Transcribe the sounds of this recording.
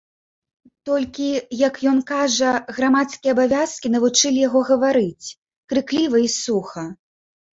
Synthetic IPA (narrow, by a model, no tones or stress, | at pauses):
t̪ɔlʲkʲijɐkjɔnkaʐɐɣɾamat̪skʲijɛɐːbavʲaskʲinɐvut͡ʂɨlʲijaɣɔɣɐvaɾɨt͡sʲ | kɾɨklʲivɐisuxɐ